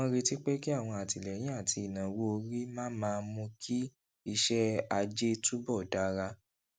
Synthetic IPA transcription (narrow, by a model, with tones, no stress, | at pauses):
ɾi˧ti˦k͡pe˦ki˦a˦˨w̃ɔ̃˧a˨ti˨lɛ˨j̃ĩ˦a˦˨tʰi˧˨nã˨wo˦o˧ɾi˦mãː˦mãː˧mũ˧kʰi˦ | i˧ʃɛ˦a˧d͡ʒe˦tu˦bɔ˦˨da˨˦ɾa˧